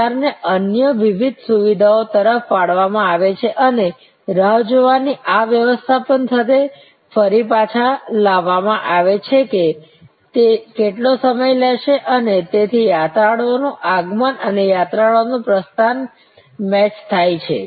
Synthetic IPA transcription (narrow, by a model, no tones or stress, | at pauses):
aɾneʔənjəʋiʋid̪ʱsuʋid̪ʱaot̪əɾəfpaɽʋamãaʋet͡ʃʰeʔəne | ɾəʋd͡ʒoʋaniʔaʋjəʋəst̪ʰapənt̪ʰət̪̬e | fəɾipat͡ʃʰalaʋamãʔaʋet͡ʃʰeke | t̪ekeʈlosəməjleʃeʔənet̪et̪ʰijat̪ɾaɽonũʔaɡmənənejat̪ɾaɭonũpɾəst̪an | mɛt͡ʃt̪ʰajt͡ʃʰḛ